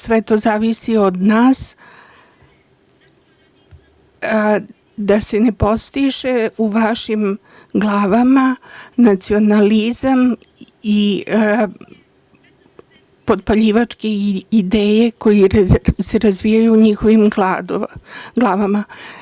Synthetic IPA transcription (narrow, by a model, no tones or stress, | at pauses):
sʋe̞t̪o̞zaːʋisio̞d̪naːs | d̪ase̞ne̞po̞st̪iʒeuʋaʃim | ɡlˠaːʋamanat̪sio̞nalizam | i | po̞d̪̚paʎiːʋat͡ʂke̞id̪eːje̞ko̞jise̞ɾazʋijajuːɲixo̞ʋimɡlad̪oɡlˠaːʋama